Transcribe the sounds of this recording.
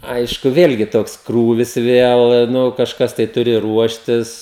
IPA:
ˈɐɪʃkʊ ˈʋʲeːlʲɡʲɪ ˈtoːks ˈkruːʋʲɪs ˈʋʲeːlˠ nʊ kɐʃˈkɐs tɐɪ ˈtʊrʲɪ ˈruɔʃʲtʲɪs

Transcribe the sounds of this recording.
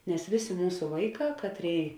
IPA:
nʲɛs ˈʋʲeːˌsʲeː ˈmuːsʊ ˈʋɐɪˌkɑː ˈkɑːtʲˌrʲeːɪ

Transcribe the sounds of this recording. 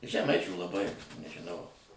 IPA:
ʒʲɛˈmɐɪt͡ʃʲuː lˠɐˈbɐɪ nʲɛʒʲɪˈnɐʊ

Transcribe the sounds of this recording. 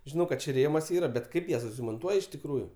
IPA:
ʒʲɪˈnɐʊ kɐt ˈt͡ʃʲɛ rʲeːmɐs ˈiːrɐ bʲɛt ˈkɐɪp jɛs moːnˈtuɔj ɪʃ tʲɪkˈruːjʊ

